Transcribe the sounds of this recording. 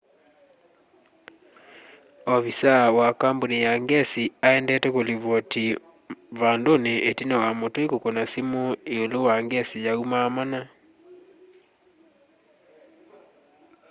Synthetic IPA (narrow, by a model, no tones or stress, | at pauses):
ɔβisawakambonijaŋɡɛsiaɛndɛtɛkoliβɔti | βandoneʔetinawamotoekokonasimoeolowaŋɡɛsijaumamana